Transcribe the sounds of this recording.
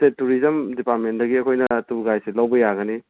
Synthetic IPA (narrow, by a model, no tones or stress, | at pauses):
tetːuɾizɐmdipaɾtmendɐɡiɐkʰojnɐtuɡajselawbɐjaɡɐni